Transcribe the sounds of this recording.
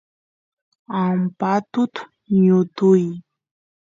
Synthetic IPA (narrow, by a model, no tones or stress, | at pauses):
ampat̪ʊt̪ | ɲʊt̪uj